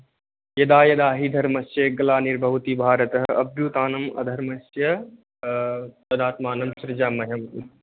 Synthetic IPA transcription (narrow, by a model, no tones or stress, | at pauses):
jɐd̪aːjɐd̪aːɦid̪ʱɐɾmɐsjɐɡɐlaːniɾbʱɐʋt̪ibʱaːɾɐt̪ɐɦɐbjuːt̪aːnɐmɐ̰d̪ʱɐɾmɐsjɐ | t̪ɐd̪aːt̪maːnɐmsɾɪd͡ʒaːmɐɦɐm